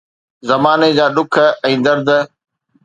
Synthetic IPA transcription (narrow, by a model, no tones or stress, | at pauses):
zɐmaːned͡ʑaːɗʊkʰɛ̃ːd̪ɐɾd̪